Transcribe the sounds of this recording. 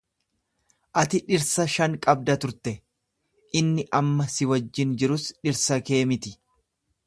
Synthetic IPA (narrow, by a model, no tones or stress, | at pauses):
ʔɐt̪ɪᶑɪɾsɐʃɐŋkʼɐb̚d̪ɐt̪ʊɾt̪ɛ | ʔɪnːɪʔɐmːɐsɪwɐd͡ʒːɪnd͡ʒɪɾʊsᶑɪɾsɐke̞ːmɪt̪ɪ